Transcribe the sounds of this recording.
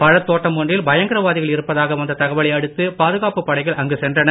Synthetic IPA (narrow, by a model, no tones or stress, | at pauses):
pɐɻɐt̪ːoːʈːɐmːɔɳrɪlbɐjɐŋɡɪɾɐʋaːðɪɣɐɭɪɾɯpːɐðaːɣɐʋɐnd̪ɐt̪ɐɣɐʋɐɭɪɐɽɯt̪ːɯpaːðɯɣaːpɯpːɐɽɐɪɣɐɭʔɐŋɡɯsɛndrɐnɐ